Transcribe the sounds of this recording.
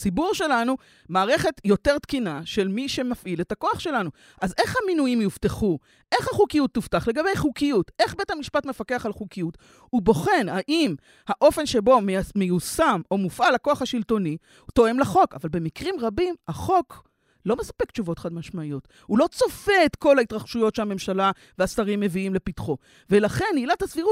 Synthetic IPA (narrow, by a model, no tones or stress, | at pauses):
sibuʁʃe̞lanu | maːʁe̞χe̞tjo̞te̞ʁt̪kinaʃe̞lmiʃe̞mafʔiletako̞aχʃe̞lanu | ʔaze̞χhaminujimjufteχu | ʔe̞χhaχukijut̪ːuftaχle̞ɡabe̞jχukijutʔe̞χbe̞thamiʃpatme̞fake̞aχalχukijut | ubo̞χe̞nhaʔim | haʔo̞fe̞nʃe̞bo̞mmejusamo̞mufalakoaχaʃilto̞ni | to̞emlaχoka̰valbe̞mikʁimʁabimaχo̞k | lo̞mesḁpe̞kt͡ʃuvo̞tχadmaʃmaijo̞t | hulo̞t͡so̞fe̞et̪ko̞laitʁaχʃujo̞tʃeame̞mʃala | veasaʁimːe̞viimle̞pitχo̞ | ve̞laχe̞nilat̪hasviʁut